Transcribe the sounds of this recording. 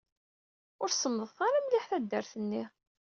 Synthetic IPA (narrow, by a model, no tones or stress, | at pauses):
ʊɾsəmðəðˤθaɾamlɪħθæd̪ːəɾθənːi